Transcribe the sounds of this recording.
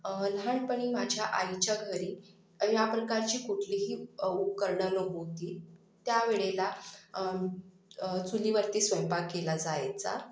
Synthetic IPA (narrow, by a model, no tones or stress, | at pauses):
lɦaɳpəɳ̃iːmad͡ʑʱjaʔait͡ɕjaɡʱəɾiː | japɾəkaɾt͡ɕiːkuʈʰliːɦiːupkəɾɳənəɦot̪iː | t̪jaʋeɭela | t͡suliːʋəɾt̪iːsʋəjpakːelad͡zajt͡sa̰